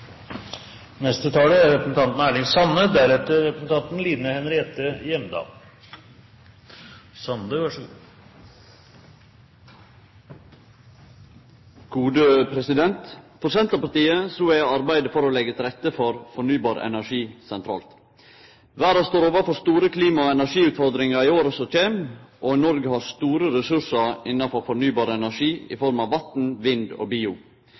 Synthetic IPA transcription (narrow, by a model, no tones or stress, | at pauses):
nɛst̪ət̪ʰɑːləæɾɾɛpɾəsn̩t̪ɑnt̪n̩æːɭɪŋsɑnːəd̪æɾɛt̪əɾɾɛpɾəsnt̪ʰɑnt̪n̩liːnəhɛnɾɪeːt̪əjɛmd̪ɑ̰ːl | sɑnd̪əʋæʂ | ɡ̥uːd̪əpʰɾɛsɪd̪ɛnt̪fɔɾsɛnt̪ɾɑpɑɾt̪iːəsuːæɑɾbæɪd̪əfɔɾoːlɛɡət̪ʰɾɛt̪ːəfɔɾfɔɳyːbɑːɾʔɛ̰næʂiːsɛnt̪ʰɾɑ̰ːlt̪ | ʋæːɾɑst̪oːɾoːʋəfɔst̪uːɾəkʰliːmɑoːɛnæʂiːʉːt̪fɔɾd̪ɾɪŋɑɾiːoːɾɔsɔc͡çeːmʔoːnɔɾɡəhɑːɾst̪uːɾəɾɛsʉʂɑɾɪnɑfɔfɔɳyːbɑːɾəɛnæʂiːɪ̰fɔɾmɑːʋʋɑt̪n̩ʋɪnd̪o̰ːbiːʊ